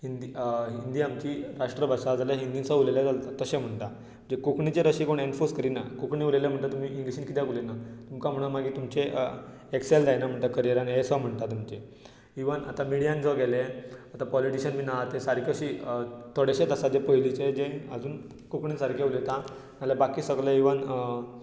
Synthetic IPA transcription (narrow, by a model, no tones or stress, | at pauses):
hind̪iɦind̪iːamt͡ɕiːɾaʂʈɾəbʱaʂad͡zaljaɦind̪insəuleljad͡zalt̪at̪əɕẽm̤əɳt̪a | m̤əɳd͡zekukɳit͡seɾəɕikoɳeɳfuskəɾina̰kukɳĩuleljam̤əɳt̪at̪um̤iːʔĩŋɡliɕiːnkit̪jãkulenat̪umkam̤əɽ̃umaɡiːt̪umt͡ɕe | ekseld̪ajnam̤əɳt̪akəɾieɾjanɦesɔm̤əɳt̪at̪umt͡ɕe | iʋəna̰t̪amiɽijãnd͡zɔɡɛleat̪apɔliʈiɕənmiːnaat̪esaɾkʰoɕiːt̪ʰoɽeɕet̪əsad͡zepəɦilit͡sed͡ʑeə̰d͡zuːn | kukɳiːnsaɾkʰeulet̪a | naljabakiːsəɡləiʋən